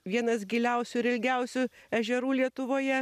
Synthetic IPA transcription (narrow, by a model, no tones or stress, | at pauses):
ʋʲiɛnɐsɡʲɪlʲɛʊsʲʊɪɾɪlʲɡʲɛʊsʲʊɛʒʲɛɾuːlʲiɛt̪ʊʋoːjɛ